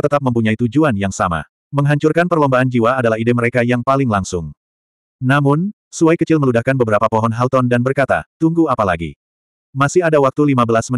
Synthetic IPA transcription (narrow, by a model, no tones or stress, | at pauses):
t̪ət̪ap̚məmpuɲait̪ud͡ʒuanjaŋsama̰ | məŋɦaɲt͡ʃurkanpərlɔmbaʔand͡ʒiwaːdalahideməɾekajaŋpalɪŋlaŋsʊŋ | namʊn | suajkət͡ʃɪlməludahkanbəbəɾapapɔɦɔnɦalt̪ɔndanbərkat̪a̰t̪uŋɡuapalaɡḭ | masɪhadawak̚t̪ulimabəlasmə